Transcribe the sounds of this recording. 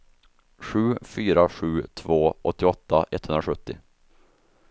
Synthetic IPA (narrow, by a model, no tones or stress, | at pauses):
ɧʉ̟ːfyːɾaɧʉ̟ːt̪ʰvoːʔɔt̪ːɪɔt̪ːaʔɛt̪hɵnɾaɧɵt̪ːɪ